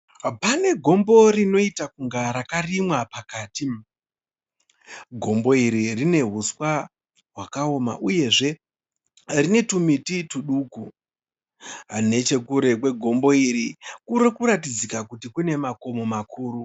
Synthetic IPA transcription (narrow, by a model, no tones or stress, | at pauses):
pane̞ɡʱo̞mbo̞rino̞itakuŋɡaɾakarimwapakaːti | ɡʱo̞mbo̞iɾirine̞ɦuswa | ɦwakao̞ma̰ʔuje̞ʐe̞ | rine̞tumitituɗuːku | ɦane̞t͡ʃe̞kuɾe̞kwe̞ɡʱo̞mbo̞iɾikuɾekuɾat̬id͡zikakutikune̞mako̞mo̞makʰuːɾu